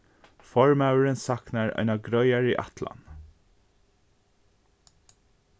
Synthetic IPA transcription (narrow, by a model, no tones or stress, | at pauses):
fɔɹmaʉəɹənsɑknæɹœ̰naɡɾœʏaɹiːʔɑ̰t̪ʰla̰n